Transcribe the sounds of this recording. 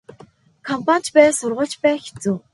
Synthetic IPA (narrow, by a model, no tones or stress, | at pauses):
kʰɔmpʰan̥t͡ɕpæːsʊrʁʊːɬt͡ɕpæːxe̥t͡suː